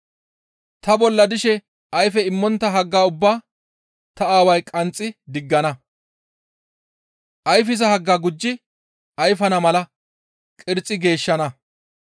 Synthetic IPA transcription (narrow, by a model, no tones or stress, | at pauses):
t̪ɐbɔlːɐd̪ɪʃɛ | ʔɐjfɛɪmːɔnt̪ːɐɦɐɡːaːʊbːaː | t̪ɐaːwɐjkʼɐnt͡sʼːɪd̪ɪɡːɐnɐ | ʔɐjfɪzɐhɐɡːaːɡʊd͡ʒːɪ | ɐjfɐnɐmɐlɐ | kʼɪɾt͡sʼːɪɡe̞ːʃːɐnɐ